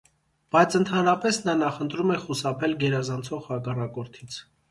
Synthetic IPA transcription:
b̥ɑjt͡sʰənt̪ʰɑnɾɑpɛsnɑnɑχənt̪ɾumɛχusɑpʰɛlɡɛɾɑzɑnt͡sʰɔʁhɑkɑrɑkɔɾt̪ʰit͡sʰ

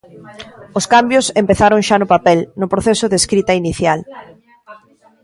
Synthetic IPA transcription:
ʊskambjʊsempeθaɾoŋʃanʊpapɛlnʊpɾoθesʊðeskɾit̪ɐiniθjal

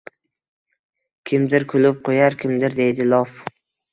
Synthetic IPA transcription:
kʲʰɪmd̪ɪɾkʰʊlʊp̚qʰojaɾkʲʰɪmd̪ɪɾd̪e̞jd̪ɪlˠɒf

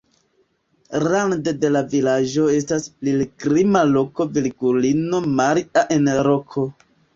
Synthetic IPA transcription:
ɾandede̞lavilad͡ʒo̞e̞stasplilɡɾimalo̞ko̞bilɡulino̞maɾiaʔe̞nɾo̞kʰo̞

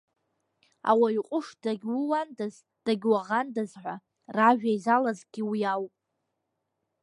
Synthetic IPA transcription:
a̰waiqʷʼʊʂdaɡʲwʊwandaz | d̥aɡʲwaʁandazħʷa | raʒᶣajzalazɡʲiwijawpʼ

